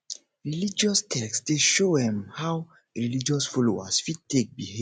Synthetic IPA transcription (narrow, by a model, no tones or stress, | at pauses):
ɹilid͡ʒɔstʰɛksdeʃodɛ̃mhaw | ɹilid͡ʒɔsfɔloa̰sfid̚tek̚biɦe